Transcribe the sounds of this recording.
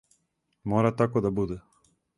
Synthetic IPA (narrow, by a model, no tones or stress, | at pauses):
mɔɾat̪akod̪abud̪ɛ